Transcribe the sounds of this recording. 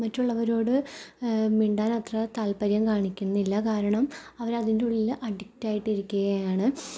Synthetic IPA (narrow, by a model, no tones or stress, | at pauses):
mɐtːuɭːɐʋɐɾo̞ːɽɨ | miɳɖaːnɐt̪rɐt̪aːlpɐɾjɐmkaːɳikʲːunːɐilːɐkaːɾɐɳɐmɐʋɐɾɐðindeuɭːilʔɐɽiktːaːjiʈːiɾukʲːuɣɐjaːɳɨ